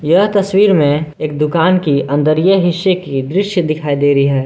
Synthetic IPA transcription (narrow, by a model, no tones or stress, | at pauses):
jɐɦt̪ɐswiːɾmẽeːk̚d̪ʊkaːnkiɐ̃nd̪əɾijəɦɪʃekid̪ɾɪʃjəd̪ɪkʰaːid̪eːɾəiɦɛː